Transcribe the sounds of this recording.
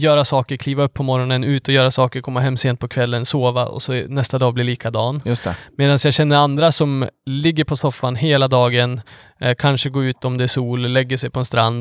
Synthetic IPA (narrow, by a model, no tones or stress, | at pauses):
jœːɾasɑːkəɾkʰliːvaɵpʰːɔmɔɾɔnənʉ̟ːt̪ɔjœːɾasɑːkəɾkʰɔmːaɦɛmːseːnt̪̚pʰɔkʰvɛlːənsoːvaʔɔ̰sɔnɛst̪ad̪ɑːblɪɭiːkʰad̪ɑːnjɵst̪ɛ̰meːd̪ansjɑɕɛnːəɾand̪ɾasɔmlɪɡːəɾpʰɔsɔfːanɦeːlad̪ɑːɡən | kʰanʂəɡoːʉ̟ːt̪ɔmd̪ɛæʂuːllɛɡːəsɛjpʰɔɛnst̪ɾa̰nd̪